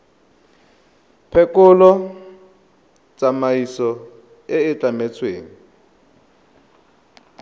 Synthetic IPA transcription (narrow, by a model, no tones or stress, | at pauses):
pʰɛkʼʊlɔ | t͡sʼamaisɔ | ɛɪt͡ɬʼamɛt͡sʰweːŋi